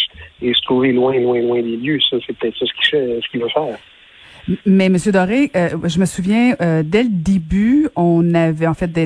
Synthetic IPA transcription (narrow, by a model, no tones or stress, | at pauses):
esə̥t̪ʁuvelwɛ̃lwɛ̃lwɛ̃d̪eljøsɔsɛpə̥t̪ɛːt̪χsɔsə̥kʲi̥sɛsə̥kʲivøfɛːʁ | mɛməsjød̪ɔʁeʔøʒəməsuvjɛ̃ød̪ɛləd̪ebyɔ̃navɛɑ̃fɛt̪̚d̪ɛ